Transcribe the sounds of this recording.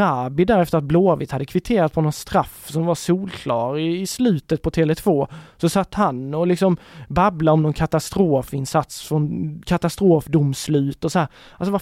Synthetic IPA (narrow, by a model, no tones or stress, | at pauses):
aːbɪd̪æɾɛft̪əɾat̪̚bloːvɪt̪had̪ːəkʰvɪt̪ʰeːɾat̪spʰɔnɔnst̪ɾafsɔmvasuːlkʰlɑːɾɪːslʉ̟ːt̪ət̪̚pʰɔt̪ʰeːlɛt̪ʰvoːsɔsat̪ːhanɔlɪksɔmbablaɔmnɔnkʰat̪ast̪ɾoːfɪnsat̪sfɾɔnkʰat̪ast̪ɾoːfd̪ʊmslʉ̟ːt̪ɔsɔhæːɾ | als̬ɔva